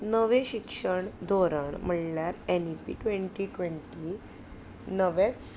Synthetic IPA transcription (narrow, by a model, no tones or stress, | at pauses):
nəʋẽɕikʂəɳd̪ʱoɾaɳm̤əɽljaɾenipḭʈʋẽɳʈiʈʋẽɳʈi | nəʋet͡ss